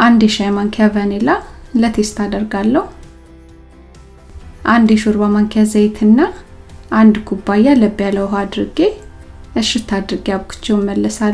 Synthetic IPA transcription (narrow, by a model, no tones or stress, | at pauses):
ʔand̪jɛʃajmaŋkʰavənelalət̪ʰest̪ʰad̪əɾɡalːəhu | ʔand̪jɛʃuɾbamaŋkʰazejt̪ʰɨnːaʔand̪kʰubːajaləbijaləwɦad̪ɾɨɡeɨʃɪt̪ʰːad̪ɾɨɡeaβkʰu̥t͡ʃːɛwmːəlːəsal